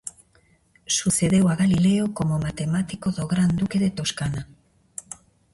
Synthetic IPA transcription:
suse̞ðe̞waɣalile̞oko̞momat̪e̞mat̪iko̞ðo̞ɣɾand̪uke̞ðe̞t̪o̞skana

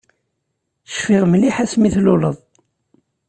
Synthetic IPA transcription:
θə̥ʃfiʁmliħæsmiθlʊləðˤ

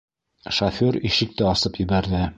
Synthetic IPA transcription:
ʃɐfʲoɾiʃɘ̆k̚t̪ɘɒsɤpjɘ̆bæɾðɘ

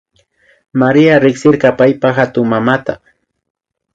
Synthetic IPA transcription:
maɾiaɾɪχsɪɾɢɑpajpaxat̪ʊŋmamat̪a

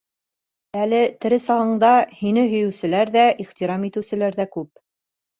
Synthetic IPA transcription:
ælɘt̪ɘ̆ɾɘsɑʁɤ̆ɴd̪ɑhinɘɦɵ̆jɵ̆wsɘ̆læɾðæʔiχt̪iɾɑmit̪ɘ̆wsɘ̆læɾðækʉp̚

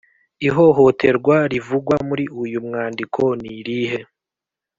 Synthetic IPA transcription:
iɦo̞ɦo̞tʰe̞ɾɡwaɾivuɡwamuɾiujumŋaːndikʰo̞niɾiɦe̞

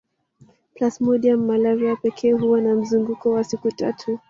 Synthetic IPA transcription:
plasmɔɗiamːalaviapɛkʰɛːɦuwanam̩zuŋɡukɔwasikuta̰tʰu

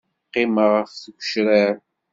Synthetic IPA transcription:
qːɪməʁəfθəkʷːʃɾæɾ

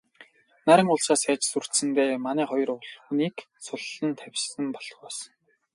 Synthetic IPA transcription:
næɾʲɪ̆ŋʊɮsaːsaːt͡ɕsur̥t̪sɘ̆nt̪eːmanæːχɔjɞ̆rʊɮxuniːk | sʊɮːə̆nt̪ʰæwʲsɘ̆mpɔɮχɔːs

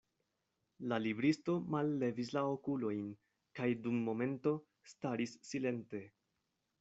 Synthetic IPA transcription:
lalibɾisto̞malːe̞vis̬laokulo̞jn | kajdumːo̞me̞nto̞ | staɾisːile̞nte̞

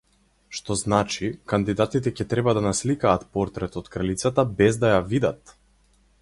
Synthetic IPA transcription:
ʃt̪ɔznat͡ʃikand̪id̪at̪it̪ɛcɛt̪ɾɛbad̪anaslikaːt̪pɔɾt̪ɾɛt̪ɔt̪kɾalit̪sat̪abɛzd̪ajavid̪at̪

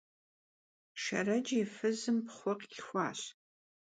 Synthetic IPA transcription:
ʃɐ̰rɐd͡ʒifɨzɨmpχʷɔqɡʲɪxʷɑ̰ːɕ

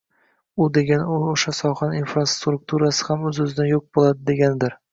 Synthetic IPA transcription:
ʊd̪e̞ɡʲanooʃasɒχaninfɾast̪ɾʊk̚t̪ʰuɾasɪ̥hamɵzɵzɪd̪ajok̚bolˠad̪ɪd̪e̞ɡʲanɪd̪ɪɾ

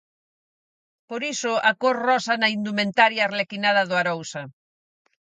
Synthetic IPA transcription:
poɾisoʔakoɾrɔsanɐind̪umẽnt̪aɾjarlekinaðɐðoaɾowsa

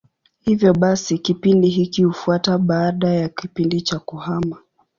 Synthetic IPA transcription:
hivjɔɓasikipindiɦikihufuataɓaːɗajakipindit͡ʃakuhama

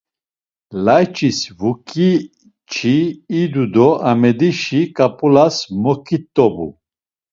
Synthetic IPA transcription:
lajt͡ʃʼisvukʼi | t͡ʃʰiːd̪ud̪ɔamɛd̪iʃikʼapʼulasmɔkʰʼit̪ʼːɔbṵ

